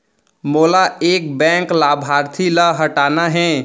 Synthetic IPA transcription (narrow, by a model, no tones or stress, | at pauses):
molaek̚bɛ̃klabʱaɾt̪ʰiləɦəʈanaɦɛ̃